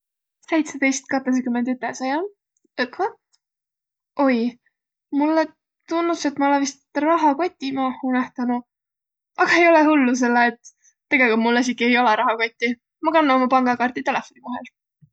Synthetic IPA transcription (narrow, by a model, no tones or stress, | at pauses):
se̞jt̪set̪e̞jst̪̚kɑt̪ːˑes̬ekymːend̪yt̪ːˑesɑjɑl | ɯkɑ | o̞j | mulːe | t̪unːuse̞t̪mɑolevist̪rɑɦɑko̞t̪ʲːˑimɑːhːunæht̪ɑnu | ʔɑɡ̥ɑe̞jo̞lehulːus̬e̞lːeːt̪ː | e̞ɡ̥e̞likult̪mulːes̬ikie̞jo̞leɾɑɦɑko̞t̪ʲːˑi | mɑkɑnːɑomɑpɑŋɡ̥ɑkɑrt̪it̪e̞le̞fˑo̞nivɑɦe̞̰l